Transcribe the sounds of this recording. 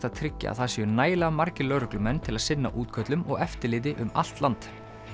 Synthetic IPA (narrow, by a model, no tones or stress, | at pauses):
t̪aðt̪ʰɾɪcːa̰a̰ðθasjnaːjlaamaɾcɪlœːɾʏklʏmɛnːt̪ʰɪlaðsɪnːa̰ʔuːt̪kʰœt̪lʏmɔɣɛft̪ɪɾlɪːðɪʔʏma̰l̥t̪lant̪